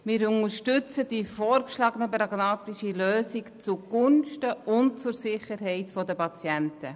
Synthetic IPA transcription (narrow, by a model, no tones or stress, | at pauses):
mɪːɾʊŋəɾʃtʏt͡səd̥ifoːɾkʃlɑːɡənəpɾɑɡnɑːtiʃiløːsikt͡suɡ̥ʊnʃtəʔʊnt̚t͡sʊɾsɪχəɾɦɛɪtfɔdəpɑt͡sjɛntə